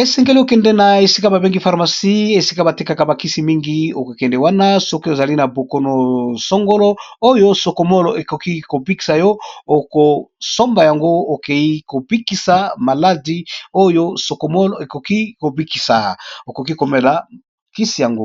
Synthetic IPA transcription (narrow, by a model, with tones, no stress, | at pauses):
e˨sɛ˨ŋɡe˦li˦o˨kɛ˨ndɛ˨˦na˨e˨si˦ka˦ba˨be˦ŋɡi˦fa˨ʁma˨si˦e˨si̥˦ka˦ba˨ti˦ka˨ka˨ba˨ki˦si˨mi˦ŋɡi˦o˨ko˨kɛ˨ndɛ˨wa˦na˦so˦ko˦e˨za˨li˦na˨bo˨ko˨no˨so˦ŋɡo˦lo˦o˦jo˦so˨ko˨mo˦lo˨e˨ko˨ki˦ko˨bi˦ki̥˨sa˨jo˦o˨ko˨so˦mba˨ja˨ŋɡo˦o˨ke˨i˦ko˨bi˦ki˨sa˨ma˨la˦di˦o˦jo˦so˨ko˨mo˦lo˨e˨ko˨ki˦ko˨bi˦ki˨sa˨o˨ko˨ki˦ko˨me˨la˨ | ki˦si˨ja˨ŋɡo˦